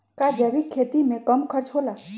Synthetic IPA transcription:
kad͡ʒeʋikʰːet̪imẽkəmkʰəɾt͡ʃʰɦola

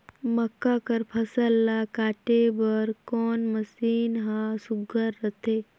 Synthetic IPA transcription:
məkːakəɾpʰəsəlːakaːʈebəɾkɔːnməsiːnɦãsʊɡəɾːət̪ʰeː

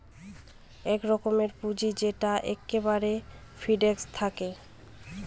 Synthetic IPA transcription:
ɛkɾɔkomeɾpud͡ʑid͡ʑeʈaʔɛkːebaɾe | fʰiɖekst̪ʰake

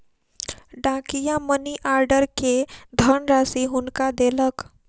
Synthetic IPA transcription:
ɖãkijaməniʔaɾɖəɾked̪ʱəɳɾasiɦunkad̪elək

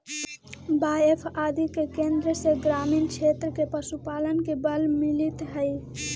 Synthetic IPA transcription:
baepʰaːd̪ikekẽnd̪ɾəseɡɾamint͡ʃʰet̪ɾəkepəsupalənkebəlmilit̪ɦəj

